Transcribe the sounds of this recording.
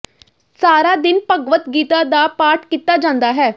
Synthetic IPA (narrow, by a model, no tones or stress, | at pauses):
saːɾaːd̪ɪnpəɡʋət̪ɡiːt̪aːd̪aːpaːʈkiːt̪aːd͡ʒãːnd̪aːɦɛː